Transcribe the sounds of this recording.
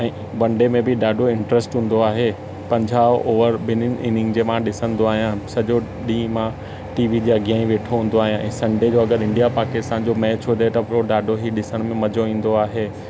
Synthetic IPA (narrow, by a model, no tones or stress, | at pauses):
ɛ̃ː | bɐ̃ɳɖemẽbɪɗaːɖʱoɪ̃ɳʈɾɛsʈɦũːn̆d̪oaːɦe | pɐ̃ɲd͡ʑʱaːʔoːʋəɾbɪnɪniːnɪ̃ŋɡd͡ʑeːmãɗɪsə̃nd̪oaːɦijãsɐd͡ʑoɗĩːmã | ʈiːʋid͡ʑeɐɡijaːĩʋeːʈʰoɦũːnd̪oaːɦijãʔɛ̰̃ːsɐ̃ɳɖed͡ʑoɐɡəɾɪ̃ɳɖijapaːkɪst̪ãːnd͡ʑomɛ̃ːt͡ɕʰoːd̪ʱet̪ɐpɾoɗaːɖʱoɦiɗɪsəɽ̃mẽmɐd͡ʑoʋĩːn̆d̪oaːɦeː